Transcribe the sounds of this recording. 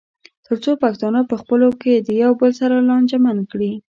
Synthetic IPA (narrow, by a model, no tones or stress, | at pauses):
t̪əɾt͡sopak̚t̪ɑnɑpəxpəloked̪əjawbəlsaɾalɑnd͡ʒamankɽi